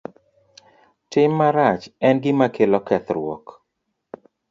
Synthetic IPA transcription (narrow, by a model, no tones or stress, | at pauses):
tɪmːaɾat͡ʃɛnɡɪmakʰelɔkɛt̪ɾwɔ̰k